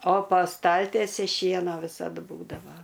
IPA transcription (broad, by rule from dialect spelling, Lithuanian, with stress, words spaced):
oː pɐ ˈstɐlʲtʲiɛsʲɪ ˈʃʲiɛnoː ˈʋʲɪsɐt ˈbuːdɐʋɐ